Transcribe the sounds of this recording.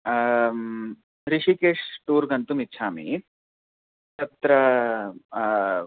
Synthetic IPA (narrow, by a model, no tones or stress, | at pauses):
ɾiʂikeːʂʈuːɾɡɐnt̪umitːʃʰaːmḭ | t̪ɐt̪ɾɐ